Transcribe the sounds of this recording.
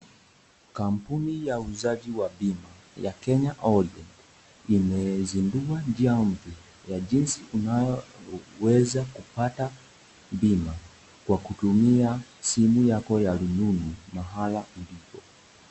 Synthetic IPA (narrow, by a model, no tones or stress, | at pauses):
kam̩punijauzaʄiwabima | jakɛɲaʔɔɾiand | imɛzinduand͡ʒiam̩vɛ | jaʄinsiunajɔwɛzakupata | bima | kwakutumiasimujakɔjalununumaɦalaulipɔ